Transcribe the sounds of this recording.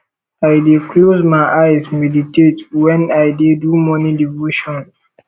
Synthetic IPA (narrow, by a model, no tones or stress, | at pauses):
ajdeklozmajʔajsmɛditetwɛ̃najdedumɔnidivoʃɔ̃n